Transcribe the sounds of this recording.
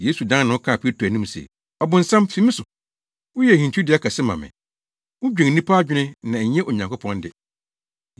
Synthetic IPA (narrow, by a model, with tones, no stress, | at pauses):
je˦su˨dã˦n˦nʊ̃˦ʊ˦kʰã˦˨pʰi˦e˦tʰu˨æ˨nĩ˦m˨sḛ˨ | ɔ˨bʊ̃˨n̩˨sã˦mfi˦mɪ̃˦sʊ˨ | wʊ˦jɛ˨hĩ˨t͡ɕʰi˦dɪ˨˦a˦kʰa˨sɪ˦mã̰˨mɪ̰̃˨ | wʊ˦d͡ʑᶣɛ̃˨ŋ˨nĩ˦pʰa˦d͡ʑᶣɪ˦nɪ̃˦nã˨ɲɛ̃˦ʔo˨ɲã˨ŋkʰʊ˦pʰɔ̃˦ndɪ˨